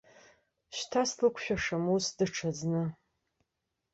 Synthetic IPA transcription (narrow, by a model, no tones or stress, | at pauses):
ɕtʰaslɨkʷʰʃᶣaʂamusdɨʈ͡ʂʰaznɨ